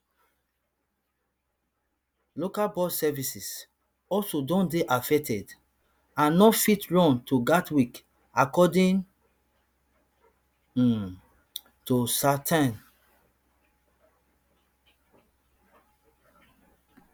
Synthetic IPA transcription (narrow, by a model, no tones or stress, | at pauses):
lokalbɔdsɛvisis | ɔlsodɔ̃ndeʔafɛk̚tʰɛd | ãnːɔfitɹɔ̃ntʰuɡatwik | akɔdĩŋ | tusatʰãn